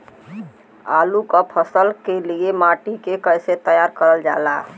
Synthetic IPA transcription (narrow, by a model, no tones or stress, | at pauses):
a̰lukəpʰəsəlkeliemaʈikekəjset̪əjaɾkəɾəld͡ʒa̰la